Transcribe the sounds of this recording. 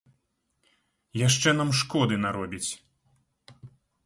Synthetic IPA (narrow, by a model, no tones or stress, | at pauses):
jaʂt͡ʂɛn̪amʂkɔd̪ɨnaɾɔbʲit͡sʲ